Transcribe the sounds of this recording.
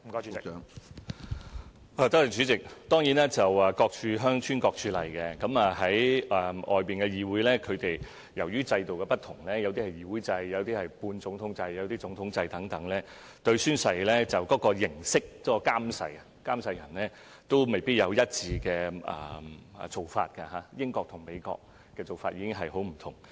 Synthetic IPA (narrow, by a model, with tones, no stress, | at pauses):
m̩˨˩kɔ˨˦˥ | aː˨˧t̪ɐ˥tɪ˨˩t͡ʃyː˨˥t͡sɪ˨k̚t̪ɔː˥ŋjiː˨˥nɛː˥t͡sɐ˨wɐː˨˩kɔː˧k̚t͡ʃʰyː˨˧ɦœː˥ŋt͡ʃʰyː˥nkɔː˧k̚t͡ʃʰyː˨˧lɐ̰˨˩jkɛ˧kɐ˨˥mɐː˨ɦɐ˨˥jɐ˨ʔɔ̰ː˨jpiː˨nkɛ˧jiː˨wuː˨˥jlɛː˥kʰɵ˨˧ɥt̪e˨j | jɐ˨˩wjyː˥t͡sɐ˧jt̪o˨wkɛ˧pɐ˥t̚t̪ʰʊ˨˩ŋlɛː˥jɐ˨˧wt̪i˥hɐ˨˩jiː˨˧wuː˨˥jt͡sɐ˧jːɐ˨˧wt̪iː˥hɐ˨jpuː˧nt͡sʊ˨˥ŋt̪ʰʊ˨˥ŋt͡sɐ˧jjɐ˨˧wt̪iː˥t͡sʊ˨˧˥ŋt̪ʰʊ˨˥ŋt͡sɐ˧jt̪ɐ˨˥ŋt̪ɐ˨˥ŋlɛː˥ | t̪ɵ˧ɥsyː˥nsɐ˨˧jlɛː˥t͡sɐ˨wkɔː˨˥kɔː˧jɪ˨˩ŋsɪ˥k̚kɔː˨˦˥kɔː˧kaː˥msɐ̰˧j | kaː˥msɐ˧jɐ˨˩nlɛː˥ | t̪o˥wme˨jpiː˥t̚jɐ˨˧wjɐ˥t̚t͡siː˧kɛː˧ɐ̰˨˩˨t͡so˨wfa̰ː˧t̚kɐ˧ɦaː˨˦jɪ˥ŋkɔː˧k̚t̪ʰʊ˨˩ŋme˨˧jkɔ̰ː˧k̚ː | ɛː˧t͡so˨wfaː˧t̚ʔiː˨˧kɪ˥ŋɦɐ˨jɦo˨˥wm̩˨˩t̪ʰʊ˨˩ŋ